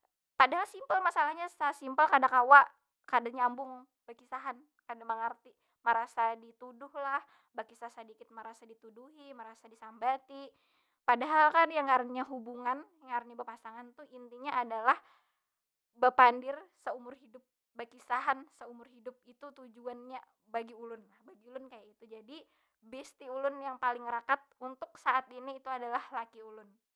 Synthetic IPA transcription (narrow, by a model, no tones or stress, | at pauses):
padaɦalsimpəlmasalahɲasasimpəlkadakawaʔ | kadaɲambʊŋ | b̥akisaɦan | kadaməŋart̪i | məɾasadit̪udʊhlah | bakisasədikɪt̪̚məɾasadit̪uduɦiməɾasadisambat̪i | padaɦalkanjaŋaɾɲaɦubuŋanjaŋaɾɲabərpasaŋant̪uint̪iɲaʔːdalah | bəpandɪrsəumʊrhidʊp̚ | bakisaɦansəumʊrɦidʊp̚it̪ut̪ud͡ʒuanɲa | baɡiulʊnlahbaɡiulʊnkajait̪ud͡ʒadi | bɛst̪iulʊnjaŋpalɪŋɾakat̪̚unt̪ʊksaʔat̪iniːt̪uadalahlakiulʊn